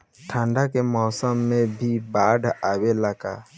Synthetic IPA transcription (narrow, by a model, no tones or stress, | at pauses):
ʈʰãɳɖakemɔːsɔmːẽbʱibaɖawelaka